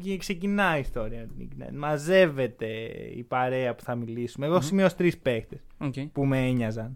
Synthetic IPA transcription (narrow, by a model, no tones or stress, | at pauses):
kse̞cinɐist̪o̞ɾiɐmet̪inḭcnḛmɐze̞ve̞t̪e̞ḭpɐɾe̞ɐpu̥θɐmilisumeːɣosimiost̪ɾispe̞kt̪esoepumeeɲɐzɐn